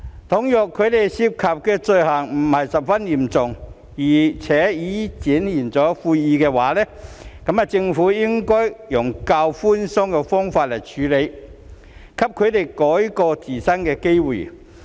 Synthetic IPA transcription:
t̪ʰʊ˨˥ŋjœː˨˩kʰːɵ˨˧ɥt̪e˨jsiː˧p̚kʰaː˨p̚kɛː˧t͡sɵ˧ɥhɐ˨˩ŋm̩˨˩hɐ˨jsɐ˨p̚fɐ˥njiː˨˩mt͡sʊ˨ŋ | jiː˨˩t͡sʰɛː˨˥jiː˨˥t͡siː˨˥njiː˨˩nt͡sɔː˨˥fuː˧jjiː˨˧kɛː˧waː˨˥lɛː˥kɐ˨˥mɐ˨t͡sɪ˧ŋfuː˨˥jɪ˥ŋkɔː˥jjʊ˨˩ŋkaː˧wfuː˥nsʊ˥ŋkɛ˧fɔː˥ŋfaː˧t̚lɐ˨˩jt͡ʃʰyː˨˥le˨˧j | kʰɐ˥p̚kʰɵ˨˧ɥt̪e˨jkɔː˨˥jkɔː˧t͡siː˨˩sɐ˥nkɛː˧ke˥jwṵː˨˩

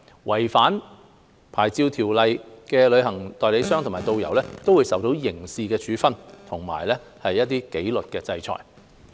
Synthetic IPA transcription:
wɐ˨˩jfaː˨˥n | pʰaː˨˩jt͡siː˧wt̪ʰiː˨˩wlɐ˨jkɛː˧lɵ˨˧ɥhɐ˨˩ŋt̪ɔː˨˧jle˨˧˥sœː˥ŋt̪ʰʊ˨˩maː˨jt̪o˧wjɐ˨˩wlɛː˥t̪o˥wu˨˧jsɐ˨wt̪o˨˥wjɪ˨˩ŋsiː˧kɛː˧t͡ʃyː˨˥fɐ˥nt̪ʰʊ˨˩ŋma̰ː˨˩jlɛː˥ | hɐ˨jːɐ˥t̚t̪iː˥ke˨˥jlɵ˨t̚kɛː˧t͡sɐ˧jt͡ʃʰɔ̰ː˨˩j

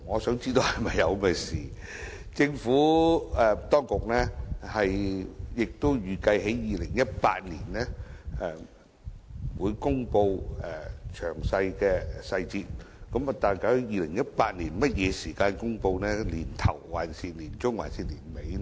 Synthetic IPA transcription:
ŋɔː˨˧sœː˨˥ŋt͡siː˥t̪o˨˧whɐ˨jmɐ˨jːɐ˨˧wmɛː˧siː˨ | t͡sɪ˧ŋfuː˨˥ɛ˨˧t̪ɔː˥ŋkʊ˨k̚nɛː˥hɐ˨jjɪ˨k̚t̪o˥wjyː˨˩kɐ˧jɦe˨˥jjiː˨lɪ˨˩ŋjɐ˥t̚pa̰ː˧t̚liː˨˩nnɛː˥ɛ˨˧ | wuː˨˧jkʊ˥ŋpo˧wɛ˨˩t͡ʃʰœː˨˩ŋsɐ˧jkɛː˧sɐ˧jt͡siː˧t̚kɐ˨˥ma˨˩t̪aː˨˩nka˨˧˥hjiː˨˧lɪ˨˩ŋjɐ˥t̚paː˧t̚liː˨˩nmɐ˥t̚jɛː˨˧siː˨˩kaː˧nkʊ˥ŋpo˧wnɛː˥liː˨˩nt̪ʰɐ̰˨˩wːaː˨˩nsiː˧t̚liː˨˩nt͡ʃʊ˥ŋwa̰ː˨˩nsiː˨t̚liː˨˩nme˨˥j

